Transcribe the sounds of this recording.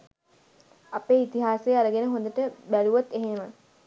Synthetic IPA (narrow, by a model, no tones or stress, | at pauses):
apeːit̪iɦaːseːaɾəɡenəɦõnd̪əʈəbæluʋat̪ːeɦemə